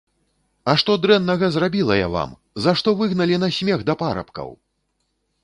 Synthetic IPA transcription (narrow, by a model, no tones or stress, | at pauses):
ɐʂt̪ɔd̪ɾɛnːɐɣɐzrabʲilˠɐja̰va̰m | zaʂt̪ɔvɨɣnɐlʲin̪asʲmʲɛɣd̪ɐpaɾɐ̰pkɐ̰w